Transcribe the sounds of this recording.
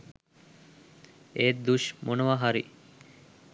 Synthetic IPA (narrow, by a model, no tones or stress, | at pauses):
eːd̪uʃmʔonuʋaɦaɾḭ